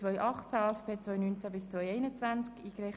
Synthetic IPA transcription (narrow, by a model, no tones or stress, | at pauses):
ʋœjʔɑχtt͡saɛfpʰeːt͡svœjnynt͡sabɪst͡sʋœjɛɪnət͡sʋænt͡skiːkɾɛ